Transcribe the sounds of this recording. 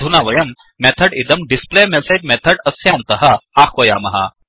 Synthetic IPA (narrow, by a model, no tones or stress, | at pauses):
d̪ʱunaːʋɐjɐmː | et̪ʰɐɖid̪ɐmɖispleːmɛsɐʈ̚mɛt̪ʰɐɖɐsjaːnt̪ɐɦɐaːxʰʋɐjaːmɐɦa̰